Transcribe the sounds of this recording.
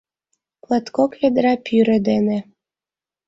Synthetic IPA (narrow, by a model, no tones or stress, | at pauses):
plˠɑt̪koked̪ɾɑpʰyɾĕd̪ene